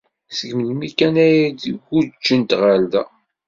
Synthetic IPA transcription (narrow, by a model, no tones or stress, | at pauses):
səɡmənmikænæjæd̪ɡud͡ʒːənt̪ʁald̪æ